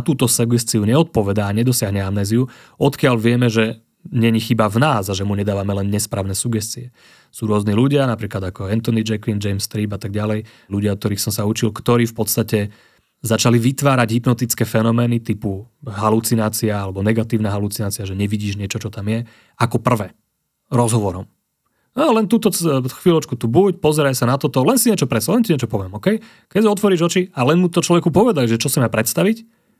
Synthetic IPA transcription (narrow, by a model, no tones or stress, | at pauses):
at̪uːt̪ɔsɛɡɛst̪iuɲɛɔt̪̚pɔʋɛd̪aːɲɛd̪ɔsɪaɦɲɛamnɛːziu | ɔt̪kɪalʋɪɛmɛʒɛ | ɲɛɲixibavnaːzaʒɛmuɲɛd̪aːʋamɛlɛnːɲɛspɾaːʊnɛːsuɡɛstt͡siɛ | suːɾʊɔzniluɟɪanapɾiːklad̪akɔɛnt̪ɔnid͡ʒɛklind͡ʒɛjmst̪ɾiːbat̪aɡ̚ɟalɛj | luɟɪaɔk̚t̪ɔɾiːxsɔmsaut͡ʃilkt̪ɔɾiːfpɔt̪st̪acɛ | zat͡ʃaliʋit̪ʋaːɾaɟɦipnɔt̪it͡skɛːfɛnɔmɛːnit̪ipuɦalut͡sinaːt͡siaalɛbɔnɛɡat̪iːʊnaːɦalut͡sinaːt͡siaʒɛɲɛʋiɟiːʒɲɪɛt͡ʃɔt͡ʃɔt̪amjɛ | akɔpr̩ʋɛː | ɾɔzɦɔʋɔɾɔ̰m | alɛnt̪uːt̪ɔxʋilɔt͡ʃkut̪ubucpɔzɛɾajsanat̪ɔt̪ɔlɛnsiɲɪɛt͡ʃɔpɾɛsalɛntiɲɛt͡ʃɔpɔʋɪɛmɔkɛj | kɛɟsiɔt̪ʋɔɾiːʒɦɔt͡ʃialɛnmut̪ɔt͡ʃlɔʋɛkupɔʋɛd̪aliʒɛt͡ʃɔsimapɾɛt̪st̪aʋic